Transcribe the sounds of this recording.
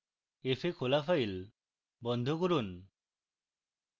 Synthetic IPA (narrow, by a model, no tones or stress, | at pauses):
efʰekʰolafail | bɔnd̪ʱokuɾun